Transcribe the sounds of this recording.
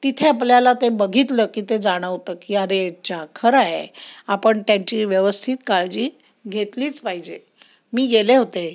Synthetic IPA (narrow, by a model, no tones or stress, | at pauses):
t̪it̪ʰeapljalat̪ebəɡʱit̪ləːkiːt̪ed͡zaɽ̃əʋt̪əkiːəɾet͡ɕakʰəɾaɦḛapəɳt̪jãɲt͡ɕiːʋjəʋəst̪ʰit̪kaɭd͡ʑiː | ɡʱet̪liːt͡spaɦid͡ʑe | miːɡeleɦot̪e